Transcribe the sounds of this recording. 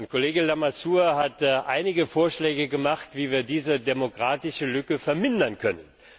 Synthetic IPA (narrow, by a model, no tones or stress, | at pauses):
nkʰoleːɡəlamasuːɐɦatʔaɪnɪɡəfoːɐʃlɛːɡəɡəmaχtv̥iːviːɐdiːzədemokʁ̥aːtɪʃəlʏkəfɛɐmɪndɐnkʰœnən